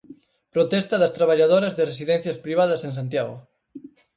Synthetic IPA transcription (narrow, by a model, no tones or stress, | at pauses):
pɾot̪ɛst̪ɐðɐst̪ɾaβ̞aʎaðoɾɐzðeresiðɛn̟θjɐspɾiβaðɐseŋs̬ant̪jaɣo̰